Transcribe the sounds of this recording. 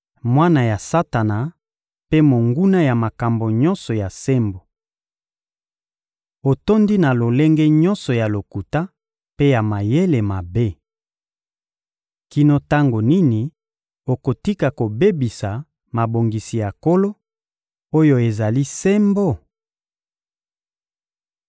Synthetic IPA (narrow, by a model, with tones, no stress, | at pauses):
mwa˦na˨ja˨sa˦ta˨na˨ | pe˦mo˨ŋɡu˦na˦ja˨ma˨ka˨mbo˨ɲɔ˦nsɔ˨ja˨se˦mbo˨ | o˨to˦ndi˦na˨lo˨le˦ŋɡɛ˦ɲɔ̃˦nsɔ˨ja˨lo˨ku˨ta˦ | pe˦ja˨ma˨je˦le˨ma˨be˦ | ki˦no˦ta˦ŋɡo˨ni˦ni˨ | o˨ko˨ti˦ka˨ko˨be˦bi˨sa˨ | ma˨bo˨ŋɡi˨si˨ja˨ko˦lo˦ | o˦jo˦e˨za˨li˦se˦mbo˦